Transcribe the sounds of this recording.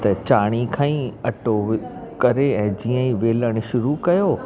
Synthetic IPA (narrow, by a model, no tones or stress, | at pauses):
t̪ɐt͡ɕaːɽ̃ikʰãːĩɐʈokɐɾeɛ̃ːd͡ʑiːə̃ĩʋeːləɽ̃ɪ̆ʃʊɾukɐjoː